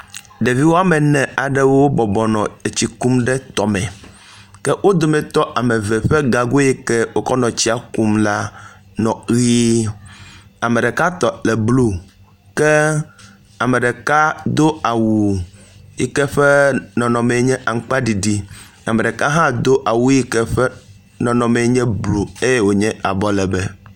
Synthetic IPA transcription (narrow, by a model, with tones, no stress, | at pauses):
ɖe˨vi˦wo˦a˦mɛ˨nɛ̃˨a˨ɖɛ˦wo˦bɔ˨bɔ˨nɔ̃˨e˨t͡ɕi˨ku˦mɖɛ˦t̪ɔ˨mɛ̃˨ | kɛ˦wʔo˦d̪o˨mɛ̃˨t̪ɔ˦ʔa˨mɛ˨vɛ˨ɸɛ˦ɡa˨ɡo˦jɛ˦kɛ˦wo˦kɔ˦nɔ̃˨t͡ɕi˦a˨ku˦mla˦nɔ̃˨˦i˦ | a˨me˨ɖɛ˨ka˦t̪ɔ˨lɛ˨blu˦ | kɛ˦ | a˨me˨ɖe˨ka˦d̪o˦a˨wu˨ | ji˨kɛ˦ɸɛ˦nɔ̃˨nɔ̃˨me˨˦ɲɛ̃˦ʔa˨ŋ̩˦k͡pa˦ɖi˨ɖi˨ | a˨mẽ˨ɖɛ˨ka˦ɦã˦d̪o˦ʔa˨wu˦ji˦kɛ˦ɸɛ˦ | nɔ̃˨nɔ̃˨mẽ˨˦ɲɛ̃˦blu˨e˦je˦wo˨ɲɛ̃˦a˨bɔ˦lɛ˨bɛ˦